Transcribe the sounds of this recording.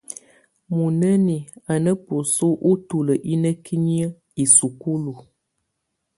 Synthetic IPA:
mu˨nə˦ni˨a˨nə˦po˨so˦ʔu˦tu˦lə˨ʔi˦nə˦ki˦ɲi˦ə˦ | i˨su˨ku˦lu˨

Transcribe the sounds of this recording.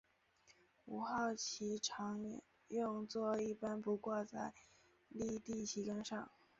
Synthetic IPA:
u˧˩xɑ˥˩ʊt͡ɕʰi˧˥ʈ͡ʂʰɑ˧˥ŋ˧ | jʊ˥˧ŋt͡swɔ˥˧i˥˩pa˥npu˧˥kwɔ˥˧t͡sa˥˧ɪ | li˥˧t̪i˥˩t͡ɕʰi˧˥ka˥nʂɑ˥˩ŋ

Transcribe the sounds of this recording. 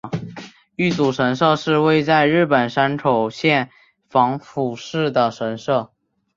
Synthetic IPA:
y˥˩t͡su˨˩ʂə˧˥nʂɤ˥˧ʂɻ̩˥˧we˥˧ɪt͡sa˥˧ɪɻɻ̩˥˩pə˨˩nʂa˥nʈ͡ʂʰo˨˩ʊɕjɛ˥˩n | fɑ˧˥ŋfu˨˩ʂɻ̩˥˩d̪ə˩ʂə˧˥nʂɤ˥˩

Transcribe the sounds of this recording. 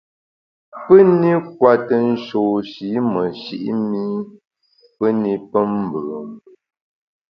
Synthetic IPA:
pə˦ni˦k̚wa˨tə˦˨n̩˦ʃo˨ʃi˨˦mə˨ʃi˨ʔi˦mi˦ | pə˦ni˦pə˦m˨bə˨m

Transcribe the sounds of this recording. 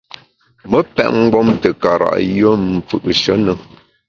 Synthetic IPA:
mə˦pɛ̰˦ʔŋ̩˦ɡ͡bɔ˦mtə˨ka˨ɾa̰˨ʔjə˦m̩˨p͡fʉ̰˨ʔʃə˨˦nə˦

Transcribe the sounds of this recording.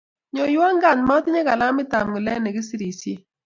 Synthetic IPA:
ɲɔ˨jwɔ˦ŋɡa˦˨nma˦tɪ˦ɲɛ˦ka̰˨la˦mɪ˦ta˨mɡi˨lɛ˦nɛ˨ɡi˦si˦ɾi˨sje˦

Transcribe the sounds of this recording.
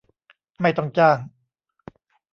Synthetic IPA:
ma˥˩jt̪ɔ˥˩ŋt͡ɕaː˥˩ŋ

